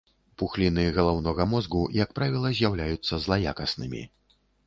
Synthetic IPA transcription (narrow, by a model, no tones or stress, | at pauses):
puxlʲinɨɣɐlˠawnɔɣɐmɔzɡujakpɾavʲilˠɐzʲjawlʲajut̪sːɐzlˠaja̰kɐsnɨmʲḭ